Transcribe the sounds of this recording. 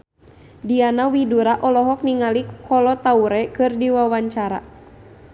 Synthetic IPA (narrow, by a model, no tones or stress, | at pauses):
dianawiduɾaʔɔlɔɦɔk̚niŋalikʰɔlɔt̪auɾɛkɨrdiwawaɲt͡ʃaɾa̰